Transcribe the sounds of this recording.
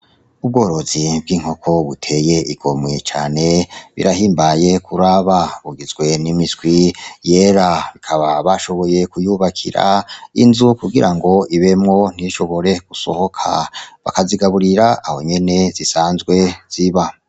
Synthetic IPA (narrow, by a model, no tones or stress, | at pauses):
ub̚ɡo̞ːɾo̞zib̚ɡiːŋ̥ho̞kʰo̞βutʰe̞je̞ʔiɡ̥o̞mŋet͡ʃa̰ːne̞βḭɾaɦiːmbaje̞kʰuɾaβaβuɡizɡwe̞nimitɡwije̞ːɾaβikʰaβaβaʃo̞βo̞je̞kujuβakʰḭɾa̰ḭnzukuɡiɾaŋɡo̞iβe̞mŋo̞n̥iʃo̞βo̞ɾe̞ɡ̥uso̞̰ho̞kʰa̰βa̰kaziɡaβuɾiɾaːho̞ɲe̞ne̞zisaːnzɡwe̞z̥iβa